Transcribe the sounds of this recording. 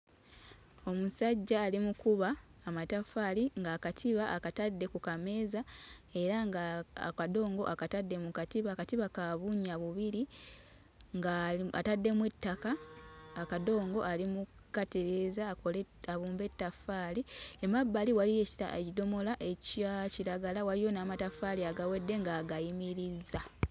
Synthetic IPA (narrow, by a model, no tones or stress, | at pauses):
o̞musaɟːaːlimukuβaːmatafaliŋɡaːkatʰiβaʔakatadːe̞kukame̞ːzae̞ɾaŋɡakado̞ːŋɡo̞ʔakatadːe̞mukatiβaːkatiβakaβuɲaβuβiɾi | ŋɡaa̰tadːe̞mwetːakaː | kado̞ːŋɡo̞̰ʔalimukateɾe̞zakolaβuːmbe̞tːafaːliemabːaliwaliecido̞mo̞laʔecaciɾaɡalawalijo̞naːmatafaliaɡawe̞dːe̞ŋɡaːɡajimiɾiza